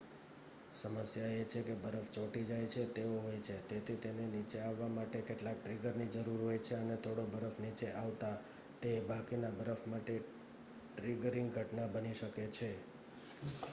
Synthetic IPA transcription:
səməsjaet͡ʃʰekebəɾəft͡ʃoʈid͡ʒajt͡ʃʰet̪eoɦojt͡ʃʰet̪et̪ʰit̪enenit͡ʃeaʋːamaʈekeʈlak̚ʈɾiɡəɾnid͡ʒəɾuɾɦojt͡ʃʰeənet̪ʰoɽobəɾəfnit͡ʃeʔaʋt̪a | t̪ebʱakinabəɾəfʰmaʈe | ʈɾiɡəɾɪŋɡɡʱəʈnabəniʃəket͡ʃʰe

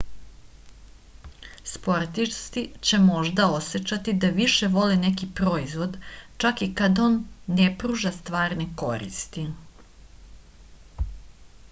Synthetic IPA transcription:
spo̞ɾt̪ist̪it͡ɕe̞mo̞ʒd̪ao̞set͡ɕat̪id̪aʋiʃe̞ʋo̞lenekipɾo̞izʋo̞d̪t͡ʃakikad̪oːnːepɾuʒast̪ʋaːɾneko̞ɾḭst̪i

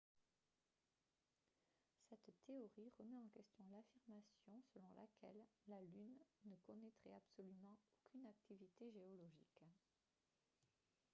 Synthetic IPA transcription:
sɛt̪ːeɔʁiʁəmɛɑ̃kʲɛst̪jɔ̃lafiʁmasjɔ̃səlɔ̃lʔa̰kʲʰɛ̰lːalynːəkɔnɛt̪χɛ̰absɔlymɑ̃okʰʲynak̚t̪ʰivit̪eʒeɔlɔʒḭk

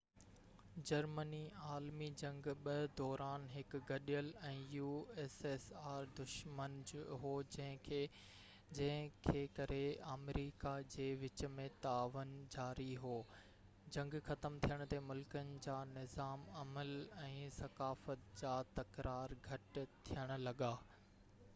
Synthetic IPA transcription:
d͡ʑɐɾməniaːlmid͡ʑɐ̃ŋɡɓɐd̪ɔːɾaːnɦɪkɡɐɗijəlɛ̃ːjuːeːsesaːɾd̪ʊʃmənd͡ʑɦoːd͡ʑɐ̃ɦɪ̃e | d͡ʑɐ̃ɦɪ̃kʰeːkɐɾeaːmɾiːkad͡ʑeːʋɪt͡ɕmẽt̪aːʋənd͡ʑaːɾiɦoː | d͡ʑɐ̃ŋɡxɐt̪əmt̪ʰijəɽ̃ʊ̆t̪emʊlkənɪ̆d͡ʑaːnɪzaːmɐməlɛ̃ːsɐkaːfət̪d͡ʑaːt̪ɐkɾaːɾɡʱɐʈt̪ʰijəɽ̃ʊ̆lɐɠaː

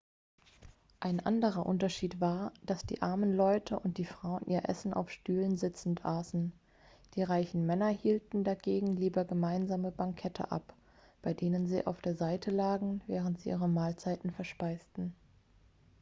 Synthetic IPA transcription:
ʔaɪnʔa̰ndəʁɐʔʊ̰ntɐʃiːtv̥aːɐd̥asd̥ḭːʔaɐmənlɔʏtʰəʔʊnt̚d̥iːfʁ̥aʊənʔiːɐʔɛ̰sn̩ʔa̰ʊfʃtyːlənzɪt͡sn̩tʔaːsn̩ | d̥iːʁaɪçn̩mɛnɐhiːltn̩daɡeːɡŋ̩liːbɐɡəmaɪnzaːməbaŋkʰɛtʰə̰ʔa̰p | b̥aɪdeːnənzḭːʔa̰ʊfd̥eːɐzaɪtʰəlaːɡŋ̩vɛːʁ̞əntz̥iːʔiːʁəmaːlt͡saɪtn̩fɛɐʃpaɪstn̩

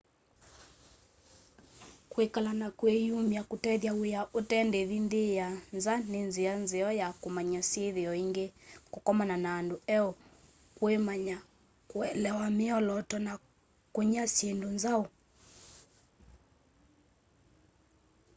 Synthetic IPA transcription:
kwekalanakwejumjakutɛðjaujaʔotɛndeðindijanzanenzianzeɔjakumaɲasieðiɔiŋɡekukɔmananaːnduɛɔ | kwemaɲa | kwɛlɛwamiɔlɔtɔna | kuɲasendunzau

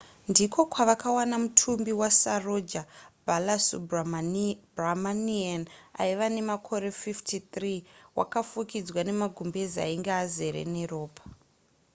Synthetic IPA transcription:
ndikʰo̞kwaʋakawanamutʰumbiwasarod͡ʒabʱalasu | bramaniana̰iʋane̞makʰo̞ɾe̞fiftʰit̪riwʔa̰kafukid͡zwane̞maɡʱumbe̞zia̰iŋɡeaze̞ɾḛnero̞ːpʰḁ

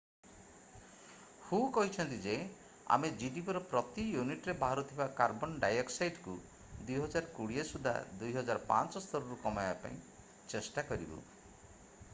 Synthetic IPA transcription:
hũkɔɦit͡ʃʰɔnt̪id͡ʒe | a̰med͡ʒiɖipɾɔpɾɔt̪ijuniʈɔɾebaɦaɾut̪ʰibakaɾbɔnɖajɔksajɖku | d̪ujɦɔd͡ʒaɾkuɽiesud̪ʱa̰d̪ujɦɔd͡ʒaɾɔpa̰nt͡ʃɔst̪ʰɔɾɔɾukɔmajbapa̰ĩ | t͡ʃesʈakɔɾibṵ

